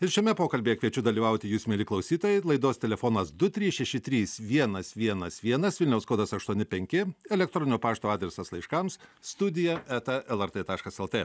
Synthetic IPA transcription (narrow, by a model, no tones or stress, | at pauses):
ɪɾʃʲɛmʲɛpoːkɐlʲbʲeːjɛkʋʲiɛt͡ʃʲʊd̪ɐlʲiːʋɐʊt̪ʲɪjuːsmʲelʲɪklˠɐʊsʲiːt̪oːjɛɪlˠɐɪd̪oːst̪ʲɛlʲɛfoːnɐsd̪ʊt̪ʲɾʲiːsʃʲɛʃʲɪt̪ʲɾʲiːsʋʲiɛnɐsʋʲiɛnɐsʋʲiɛnɐsʋʲɪlʲnʲɛʊskoːd̪ɐsɐʃt̪uɔnʲɪpʲɛŋʲkʲɪɛlʲɛkt̪ɾoːnʲɪnʲoːpɑːʃt̪oːɑːd̪ʲɾʲɛsɐslˠɐɪʃkɐmsst̪ʊd̪ʲɪjɛæːt̪ɐʔɛlˠɛɾt̪eːt̪ɑːʃkɐsɛlˠt̪eː